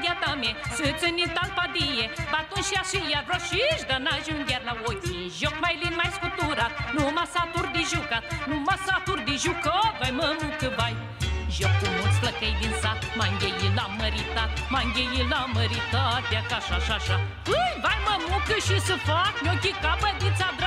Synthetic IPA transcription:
d̪ʲjat̪amesɨt͡sənit̪alpad̪ijebat̪unʃiasijarɔʃiʃd̪anaʒund̪ʲaɾlawojiʒɔk̚majlinmajskut̪uɾat̪̚numasat̪uɾd̪iʒukat̪numasat̪uɾd̪iʒukavajməmukɨbaj | ʒɔkkumuspləkejd̪insamaŋɡʲejilaməɾit̪amaŋɡʲejilaməɾit̪at̪̚jakaʃaʃaʃa | ɨjvajməmukɨʃisɨfaknokʲikabəd̪it͡sad̪ɾ

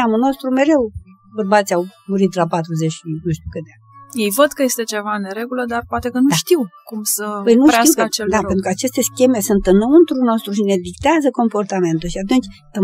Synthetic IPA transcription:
amulno̞st̪ɾume̞ɾe̞w | bərbat̪sʲjawmuɾit̪lapat̪ɾuzet͡ʃʲʃinuʃt̪ukɨt̪eakjejvəd̪kəje̞st̪e̞t͡ʃe̞vaneɾe̞ɡuləd̪arpoat̪e̞kənuʃt̪iwkumsəpəjnutaiwt͡ʃed̪apent̪ɾukəat͡ʃe̞st̪e̞skʲe̞me̞sunt̪ɨnːəunt̪ɾuno̞st̪ɾuʃine̞d̪ikt̪eazəko̞mpo̞rt̪ame̞nt̪ulʃiat̪̬unt͡ʃʲ | ə

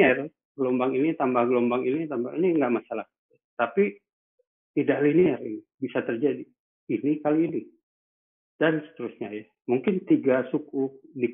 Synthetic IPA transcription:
ɛr | ɡəlombaŋinit̪ambahɡəlombaŋinit̪ambaŋiniŋɡaʔmasalahkaat̪api | idaliniarinibisat̪ərd͡ʒadiː | nikaliːni | d̥ansə̥t̪əɾusɲaja | muŋkɪnt̪iɡasukudi

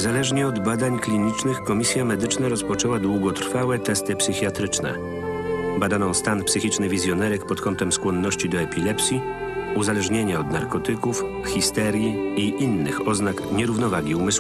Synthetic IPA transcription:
ɲzalɛʐɲɛɔd̪bad̪aɲklʲiɲit͡ʂnɘxkɔmʲisʲjamɛd̪ɘt͡ʂnaɾɔspɔt͡ʂɛwad̪wuɡɔt̪ɾfawɛt̪ɛst̪ɘpsɘxʲjat̪ɾɘt͡ʂnɛ̰ | bad̪anɔ̃w̃st̪anpsɘxʲit͡ʂnɘvʲizʲjɔnɛɾɛkpɔt̪kɔnt̪ɛmskwɔnːɔɕt͡ɕid̪ɔɛpʲilɛpsʲji | uzalɛʐɲeɲaɔd̪naɾkɔt̪ɘkuf | xʲist̪ɛɾʲjiiʔinːɘxɔznakɲɛɾuvnɔvaɡʲiumɘs

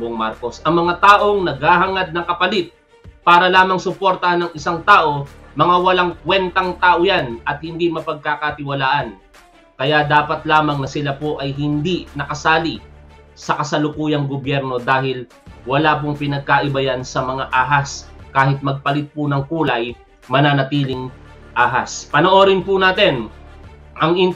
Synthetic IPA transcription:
boŋmaɾko̞sʔɐŋmɐŋat̪aːʔo̞ŋnɐɡhaːɦɐŋad̪̚nɐŋkɐpɐlɪt̪̚ | paːɾɐlaːmɐŋsʊpo̞ɾt̪ɐhanɐŋɪsaŋt̪aːʔo̞mɐŋawɐlaŋkwɛnt̪ɐŋt̪aːʔojanʔɐt̪̚hɪnd̪imɐpɐɡ̚kakɐt̪ɪwɐlaːʔɐn | kɐjad̪aːpɐt̪laːmɐŋnɐsɪlapoʔɐjɦɪnd̪inɐkɐsaːli | sɐkɐsɐlʊkuːjɐŋɡobjɛɾno̞d̪aːɦɪl | wɐlaːp̬ʊŋpɪnɐɡ̚kaʔɪbɐjansɐmɐŋaʔaːɦaskaːhɪt̪̚mɐɡ̚pɐlɪt̪̚pʊnɐŋkuːlɐj | mɐnanɐt̪iːlɪŋ | ʔaːɦaspɐnoʔoːɾɪnpʊnaːt̪ɛn | ʔɐŋɪn

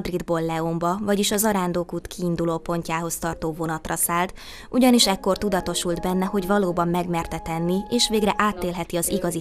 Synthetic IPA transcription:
d̪rid̪boːlːɛo̞mbɒvɒɟiʃɒzɒɾaːnd̪oːkuːt̪kʰiːnd̪uloːpo̞ɲcaːɦo̞st̪ɒrt̪oːvo̞nɒt̪rɒsaːlt̪ | ʔuɟɒniʃɛkːo̞rt̪ud̪ɒt̪o̞ʃuld̪bɛnːɛho̞ɟvɒloːbɒmːɛɡmɛrt̪ɛt̪ɛnːieːʃʋeːɡrɛʔaːt̪ːeːlɦɛt̪iɒziɡɒzi

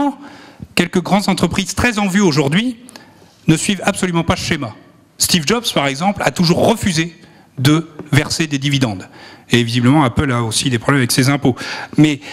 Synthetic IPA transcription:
kʲɛlkəɡʁɑ̃d̪zɑ̃t̪χəpχiz̥t̪χɛzɑ̃vyoʒuʁd̪ɥi | nəsɥivabsɔlymɑ̃paʃema | st̪ivd͡ʒɔbspaʁɛɡzɑ̃pla̰t̪uʒuʁːəfyze | d̪əvɛʁsed̪ed̪ivid̪ɑ̃d̪evizibləmɑ̃apəlaosid̪epχɔblɛmavɛksezɛ̃pomɛ

